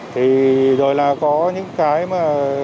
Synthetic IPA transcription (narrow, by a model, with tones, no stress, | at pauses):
t̪ʰi˨˩zo˨˩jlaː˨˩kɔ˨˦ɲɨ̰˧˥ŋkaː˨˦jmaː˨˩